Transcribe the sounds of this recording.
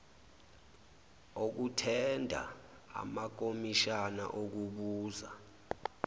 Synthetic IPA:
ok̬utʰɛndʱa̰ | a̰mak̬omiʃana̰ʔok̬uɓuːza

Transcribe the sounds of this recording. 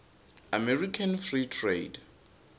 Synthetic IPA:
amɛrikʰanfritʰrḛd

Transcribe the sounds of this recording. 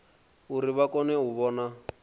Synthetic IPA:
uɾiβakʼɔnɛɦuβɔːna

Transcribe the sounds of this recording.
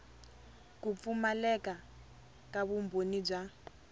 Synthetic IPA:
kup̪fumalɛka | kaβumbʱonib͡ʐa

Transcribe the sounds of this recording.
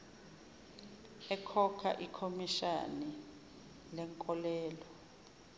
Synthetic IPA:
ɛkʰɔkʰa̰ʔikʰomiʃa̰ni | lɛŋkʼɔlɛːlɔ

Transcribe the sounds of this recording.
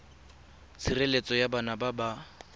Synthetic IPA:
t͡sʰirelet͡sʼɔjabanababa

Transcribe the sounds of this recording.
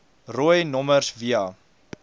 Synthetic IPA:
ruəjnɔmərsviɑ

